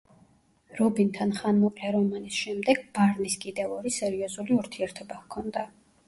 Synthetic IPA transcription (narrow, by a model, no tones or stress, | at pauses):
ɾɔbint̪ʰanχanmɔqʼlɛɾɔmanisʃɛmd̪ɛɡ̥̚b̥aɾniskʼid̪ɛvɔɾisɛɾiɔzuliuɾt̪ʰiɛɾt̪ʰɔbahkʰɔnd̪a